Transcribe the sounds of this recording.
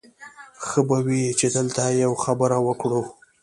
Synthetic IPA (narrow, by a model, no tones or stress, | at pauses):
xəbawit͡ʃed̪əlt̪ajawxabəɾawəkɽu